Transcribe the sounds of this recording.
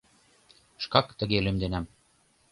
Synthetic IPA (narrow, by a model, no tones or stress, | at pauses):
ʃkɑkt̪ə̆ɣelymd̪enæm